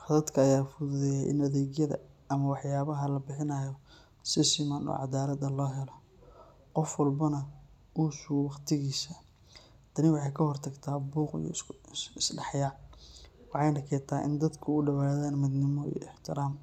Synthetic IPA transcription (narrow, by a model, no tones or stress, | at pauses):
ħɐðɐd̪kʰɐːjaːfʊðʊðɛjaʔɪ̰nɐðɛːɣjɐðɐ̰ʔɐmɐwɑħjaːβɐɦɐlɐbɪħɪnɐjɔ | sɪsɪmanɔ̰ːʕɑd̪aːlɐd̪ɐlɔːɦɛlɔ | qɔfwɑlbɐnɐ | ʔuːsʊɣwɑqt̪ʰɪɣiːsɐ | d̪̥ʰɐnɪwɑħɑjkʰɐhɔrt̪ʰɐɡt̪ʰaːbuːqḭjɔ̰ɪsɖɑħjaː | wɑħɑjnɐkʰɛːt̪ʰaːʔɪ̰nd̪ɐd̪kʰʊʊɖɐwaːðaːnmɪd̪nɪmɔḭj̰ɪħt̪ʰɪɾaːm